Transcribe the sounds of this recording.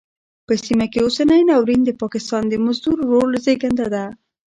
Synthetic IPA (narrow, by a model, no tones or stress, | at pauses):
pəsimakeosanəjnawɾind̪əpɑkɪst̪ɑnd̪əmʊzd̪uɾːolzeɡand̪ad̪a